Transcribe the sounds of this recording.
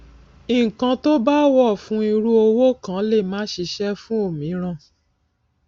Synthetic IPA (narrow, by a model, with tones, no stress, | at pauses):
ĩ˨kã˧to˦ba˦wɔ˦˨fũ˨˦i˧ɾu˦o˧wo˦kã˨˦le˦˨mãː˨˦ʃi˧ʃɛ˦fũ˦o˦˨mĩ˨˦ɾ̃ã˦˨